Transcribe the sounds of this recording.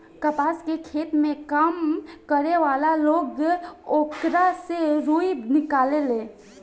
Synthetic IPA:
kəpaːskekʰeːt̪mẽkamkəɾeʋaːlaloːɡoːkɾaseɾuːinɪkaːleleː

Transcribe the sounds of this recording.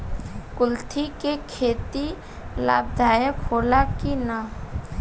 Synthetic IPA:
kʊlt̪ʰikekʰeːt̪i | la̰ːb̚d̪ʱaːjəkɦoːlakina

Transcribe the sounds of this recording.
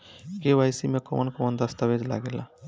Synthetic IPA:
kebʱajsimekɔmənkɔmənd̪əst̪abed͡ʒla̰ɡela̰

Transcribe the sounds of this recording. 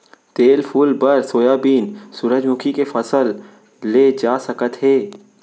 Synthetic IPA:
t̪eːlpʰuːlbəɾsoːjaːbiːnsuɾəd͡ʒmʊkʰikefəsəlː | eːd͡ʒaːsəkət̪ɦeː

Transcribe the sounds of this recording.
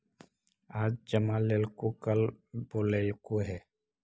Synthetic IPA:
aːd͡ʒd͡ʒəmaleːlkokəlboːleːlkoɦɛː

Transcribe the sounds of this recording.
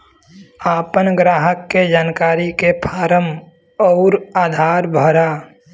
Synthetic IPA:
aːpənɡɾaːɦəkːed͡ʒaːnkaːɾikepʰaːɾəm | ɔːɾaːd̪ʱaːɾbʱəɾaː

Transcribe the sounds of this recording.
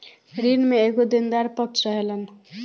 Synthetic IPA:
ɾinmeekod̪ind̪aɾpʌksʌɦelʌn

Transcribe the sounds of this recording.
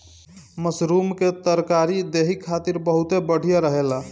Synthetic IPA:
məsɾumket̪əɾkaɾid̪eɦikʰːat̪iɾbəɦut̪ebəɽ̤ʱijaɾəɦela

